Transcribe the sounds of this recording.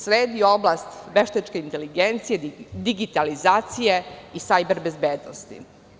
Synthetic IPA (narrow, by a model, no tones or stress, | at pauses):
sɾeːd̪ioblast̪ʋe̞ʃt̪et͡ʃkeint̪eliɡent̪sijed̪iɡit̪alizaːt̪sijeisajbeɾbe̞zbeːd̪nost̪ḭ